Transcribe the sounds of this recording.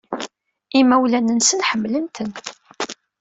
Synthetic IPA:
imæwlænənsənħəmːlənt̪ən

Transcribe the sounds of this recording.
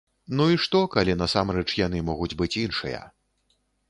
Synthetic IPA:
nuiʂt̪ɔkalʲinɐsamɾɛt͡ʂjan̪ɨmɔɣud͡zʲbɨt͡sʲinʂɨ̰jɐ̰

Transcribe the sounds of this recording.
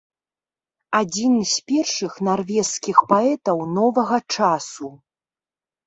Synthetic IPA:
ad͡zʲinɨsʲpʲɛrʂɨxnarvʲɛskʲixpaɛt̪ɐwnɔvɐɣɐt͡ʂasu

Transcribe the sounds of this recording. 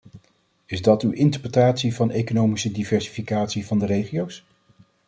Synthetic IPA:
ɪzdɑtywʔɪntəɹprətaːtsivɑnejkonowmisədivɛɹsi̥fikaːtsivɑndərejχiows

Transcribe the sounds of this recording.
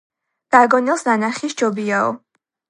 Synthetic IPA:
d̪̥aɡɔnɛlˠsnanaχist͡ʃʰɔbiaɔ̰

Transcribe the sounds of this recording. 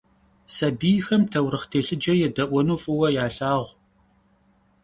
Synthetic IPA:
sɐbiːjxɐmtʰɐwɾɨχtʰeːɬɨd͡ʒɐjɛdɐʔʷɔnuːfʼɨwɐjaːɬaːʁʷ

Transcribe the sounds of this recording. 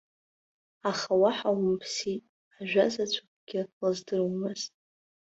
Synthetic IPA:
aχawaħawmpʰsitʼ | aʒᶣʷazat͡ɕʷʰak̚ʷɡ̥ʲɪlazdɨrwmɨztʼ

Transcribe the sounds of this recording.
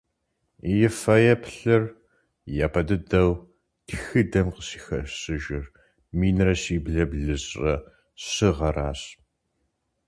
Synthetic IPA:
jɪfɐjɐpʰɬɨr | jaːpʰɐdɨdɐw | tʰxɨdɐmqəsi̥ːxɐɕɨʒɪr | miːnrɐsiːbɮɐbɮɨɕʼrɐ | ɕɨʁɐraːɕ

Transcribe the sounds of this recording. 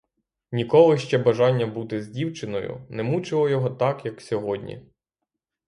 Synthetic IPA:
nʲikɔlˠɪʃt͡ʃɛbɐʒɑnʲːɐbut̪ɪzʲdʲiwt͡ʃɪnɔ̰jʊ̰nɛmut͡ʃɪlˠɔjɔɦɔt̪ɑkjɐksʲɔɦɔdʲnʲḭ

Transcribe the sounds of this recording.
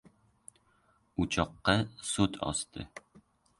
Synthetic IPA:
ut͡ɕɑqːɑsut̪ʰɒ̰st̪ɤ̰

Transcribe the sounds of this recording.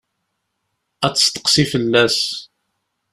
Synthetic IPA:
æt͡sːə̥st̪ə̥qsifəlːæs

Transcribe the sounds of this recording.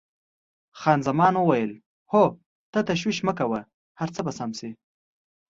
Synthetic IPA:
xɑːnzamɑnwəwajəl | ho | t̪at̪aʃ̬wiʃməkawa | haɾt͡səbasamsi

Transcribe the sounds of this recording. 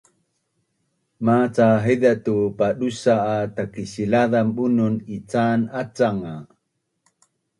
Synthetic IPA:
mat͡saɦədatupaɗusaːtakiɕilaðambununit͡sanat͡saŋa

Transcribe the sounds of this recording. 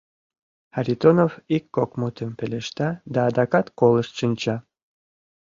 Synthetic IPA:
aɾʲit̪onovikːokmut̪əmpeleʃt̪ɑd̪ɑːd̪ɑkɑt̪koləʃt̪ʃɨnʲt͡ɕɑ

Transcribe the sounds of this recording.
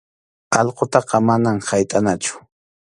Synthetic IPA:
ɑʎqot̪ɑqɑmanamhajt̪ʼanat͡ʃʊ̥

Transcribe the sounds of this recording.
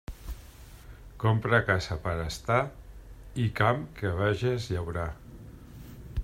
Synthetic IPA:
kompɾakasapəɾəst̪a | ikamkəβ̞aʒezʎawɾa

